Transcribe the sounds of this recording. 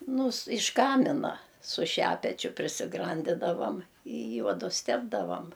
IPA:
ˈnʊ s ɪʃ ˈkɑːmʲɪnɐ sʊ ˈʃʲæːpʲɛt͡ʃʲʊ pʲrʲɪsʲɪˈɡrɐnʲdʲɪdɐʋɐm ɪ ˈjuɔdʊs ˈtʲæːbdɐʋɐm

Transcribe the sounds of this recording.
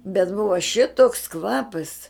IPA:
bʲɛt ˈbʊʋɐ ʃʲɪtoːks ˈkʋɑːpɐs

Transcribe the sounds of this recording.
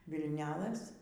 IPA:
ʋʲɪlʲˈnʲæːlˠɘs

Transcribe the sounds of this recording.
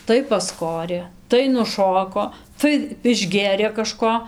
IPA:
tɐɪ pɐsˈkoːrʲeː tɐɪ nʊˈʃoːkoː tɐɪ ɪʒʲˈɡʲeːrʲeː kɐˈʃkoː

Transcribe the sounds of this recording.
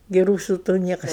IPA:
ɡʲɪ ˈruːsʊ tuː ˈnʲiɛkɐs

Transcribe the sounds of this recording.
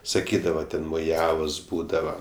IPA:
sɐˈkʲiːdɐʋɐ ˈtʲɛn moːˈjæːʋoːs ˈbuːdɐʋɐ

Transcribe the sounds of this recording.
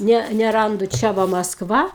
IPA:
ˈnʲɛ nʲɛˈrɐndʊ ˈt͡ʃʲɛ ʋɐ mɐsˈkʋɐ

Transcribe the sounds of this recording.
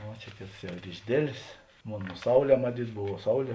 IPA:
ˈʋɐ t͡ʃʲɛ ˈkʲeːts ˈjɛʊ ɪr ɪʒʲˈdʲeːlʲeːs ˈmoːn ˈsɐʊˌlʲɛː mɐˈtʲiːt ˈbʊʋoː ˈsɐʊˌlʲiɛ

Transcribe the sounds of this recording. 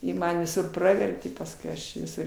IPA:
ˈjɪ ˈmɐn ʋʲɪˈsʊr ˈprɑːʋʲɛrʲtʲeː pɐsˈkʊɪ ˈɐʃ ʋʲɪˈsʊr

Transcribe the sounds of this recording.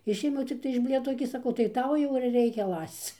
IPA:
ˈɪʃʲeːmʲɛʊ t͡sʲɪkˈtɐɪ ɪʃ ˈbʲlʲeːtoːs ɡʲɪ sɐˈkɐʊ tɐɪ ˈtɐʊ jɛʊ ɪr ˈrʲɛɪkʲɛ ˈlˠɐst͡s

